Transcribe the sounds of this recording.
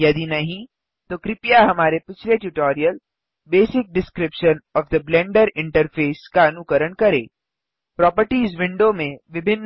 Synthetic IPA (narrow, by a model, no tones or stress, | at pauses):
jɐd̪inɐɦĩ | t̪oːkɾɪpijaɦɐmaːɾepɪt͡ʃʰleʈjuʈɔːɾijəl | beːsɪk̚ɖɪskɾɪpʃənɔːfd̪əblɛ̃ːɳɖəɾɪ̃ɳʈəɾfʰeːskaɐnʊkəɾəɳkɐɾḛː | pɾɔːpəɾʈiːzʋɪ̃ɳɖomẽʋɪbʱɪnː